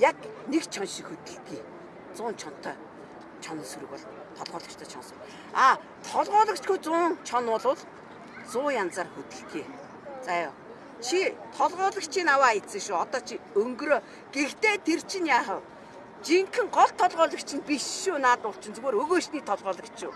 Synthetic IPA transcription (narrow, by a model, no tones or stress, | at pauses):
jaknekt͡ɕʰɔnʃixɵt̪ɘ̆ɬt̪ɡiː | t͡sʊːnt͡ɕʰɔn̥t̪ʰːœː | t͡ɕʰɔnə̆nsuɾɘ̆kpɔɮ | t̪ʰɔɮʁɔːɮə̆kt͡ɕt̪ʰœːt͡ɕʰɔ̰nsɞ̆ŋ | aː | t̪ʰɔɮʁɔːɮə̆kt͡ɕɡujt͡sʊːnt͡ɕʰɔnʊːɮʊɮ | t͡sʊːjant͡saːrxut̪ɘ̆ɬt̪ɡeː | t͡sajʊ̰ː | t͡ɕʰit̪ʰɔɮʁɔːɮə̆kt͡ɕʰiːnawaːet͡sɘ̆kʃuɔt̪ɔːt͡ɕʰiɵŋɡɾoː | ɡ̥ext̪eːt̪ʰer̥t͡ɕʰɪ̆njaːχə̆w | t͡ɕiŋkʰɘ̆ŋɢɔɮt̪ʰːɔɮʁɔːɮə̆kt͡ɕʰɪ̆npiʃʃuːnaːt̪ʊɬt͡ɕʰɪ̆nt͡sɵɣoːɾɵɣoːʃniːt̪ʰɔɮʁɔːɮə̆kt͡ɕʃuː